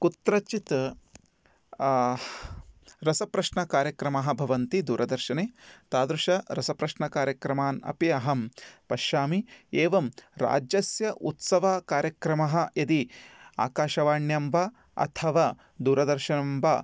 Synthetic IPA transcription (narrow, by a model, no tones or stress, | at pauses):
kut̪ɾɐt͡ʃit̪ | ɾɐsɐpɾɐʃɳɐkaːɾjɐkɾɐmɐɦɐ̆bʱɐʋɐnt̪id̪uːɾʔɐd̪ɐɾʃɐneːt̪aːd̪ɾuʃɐɾɐsɐpɾɐʃɳɐkaːɾjɐkɾɐmaːnɐ̰piɐɦɐmpɐʃjaːmieːʋɐmɾa̰ːd͡ʒjɐsjɐʔut̪sɐʋɐkaːɾjɐkɾɐmɐɦɐ̆jɐd̪ia̰ːkaːʃɐʋaːɳjɐmʋɐ | ɐ̰t̪ʰɐʋaː | d̪uːɾɐd̪ɐɾʃɐnɐmʋɐ